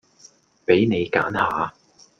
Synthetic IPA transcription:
pe˨˥jne˨˧jka̰ː˨˥nhaː˨˧

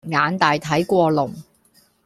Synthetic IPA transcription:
ŋaː˨˧nt̪aː˨jt̪ʰɐ˨˥jkʷɔː˧lʊ˨˩ŋ

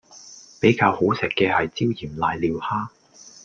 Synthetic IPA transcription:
pe˨˥jkaː˧who˨˥wsɪ˨kːɛː˧hɐ˨jt͡siː˥wjiː˨˩mlaː˧jliː˨˧whaː˥

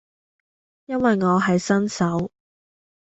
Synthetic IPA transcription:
jɐ˥nwɐ˨jŋɔː˨˧ɦɐ˨jsɐ˥nsɐ˨˥w

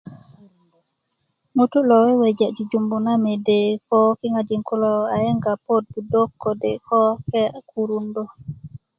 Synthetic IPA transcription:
no˦tu˦lɔ˨wɛ˦we˨d͡ʒa˨d͡ʒu˨d͡ʒu˨mbu˨na˦me˨de˨kɔ˦ki˦ŋa˨d͡ʒi˨ŋku˦lɔ˨a˨ɛ˦ŋɡa˨po˦d̚bu˨do˦kːo˨de˨kɔ˦kɛ˦a˨ku˦ɾu˦ndo˦˨

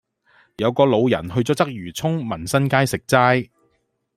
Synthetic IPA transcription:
jɐ˨˧wkɔː˧lo˨˧wjɐ̰˨˩nhɵ˧ɥt͡sɔː˨˥t͡sɐ˥k̚jyː˨˩t͡sʰʊ˥ŋmɐ˨˩nsɐ˥nkaː˥jsɪ˨k̚t͡saː˥j

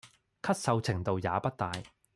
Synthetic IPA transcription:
kʰɐ˥t̚sɐ˨˧wt͡sʰɪ˨˩ŋt̪o˨wjaː˨˧pɐ˥t̚t̪aː˨˧j

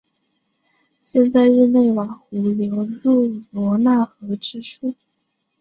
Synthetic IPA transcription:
ɕjɛ˥˧nt͡sa˥˧ɪɻ̩˥˧ne˥˩ɪwa˨˩ŋxu˧˥ljo˧˥ʊɻu˥˩lwɔ˧˥na˥˩xɤ˧˥ʈ͡ʂɻ̩˥ʂu˥˩

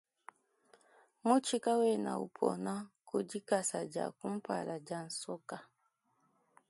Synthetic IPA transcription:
mu˦t͡ʃi˦ka˦wɛ˦˨na̰˨ṵ˨pʰɔ̰˨na˦ku˨d͡ʒi˦ka˦˨sa˨d͡ʒa̰˨ku˦m̩˦pa̰˨la˨d͡ʒa˨n̩˨sɔ˦ka˨

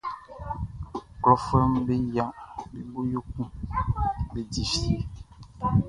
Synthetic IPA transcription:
ɡɔ˨fɛ˦mbe˦ja˦be˨bo˦jo˦kũ˦ | be˦di˨fi˦e˨

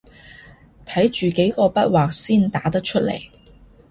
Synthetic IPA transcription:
t̪ʰɐ˨˥jt͡ʃyː˨ke˨˥jkɔː˧pɐ˥t̚waː˨k̚siː˥nt̪aː˨˥t̪ɐ˥k̚t͡ʃʰɵ˥t̚lḛ˨˩j

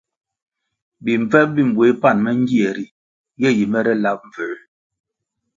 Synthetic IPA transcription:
bi˨ɱ˨b͡vɛ˦ʔ̚bi˦˨m˨bwe˨˦pa˦˨nmɛ˦ŋ˦ɡi˦ɛ˨ɾi˨ | ɡɛ˦˨ji˨mɛ˦ɾɛ˦la˦p̚ɱ˨və˨˦

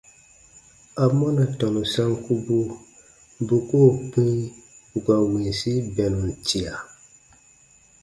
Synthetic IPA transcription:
a˨mɔ˦na˨tɔ˨nu˨sa˦ŋku˦bu˦ | bu˨ko˦˨pi˦ɡa˨we˨si˦bɛ˨nu˨n˨ti˨a˨

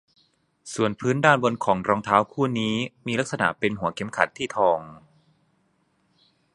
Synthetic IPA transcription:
su˨˩ənpʰɯː˦˥ndaː˥˩nbo˧nkʰɔː˩˦ŋɾɔː˧ŋt̪ʰaː˦˥wkʰuː˥˩niː˦˥miː˧la˦˥k̚sa˧na̰˨˩ʔpe˧nɦu˩˦ɐkʰe˩˥mkʰa̰˨˦nt̪ʰːiː˥˩t̪ʰɔː˧ŋ

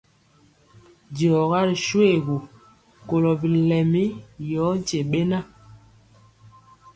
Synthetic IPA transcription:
djɔ˨ɣa˦ɾi˨ʃwe˦˨ɣu˨ | ko˨lɔ˨bi˨lɛ˨mi˦jɔː˨˦n˦t͡ʃe˨ɓe˦na˦

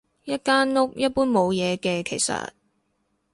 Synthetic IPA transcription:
jɐ˥t̚kaː˥nŋʊ˥k̚jɐ˥t̚puː˥nmo˨˧wjɛː˨˧kɛː˧kʰe˨˩jsɐ̰˨t̚

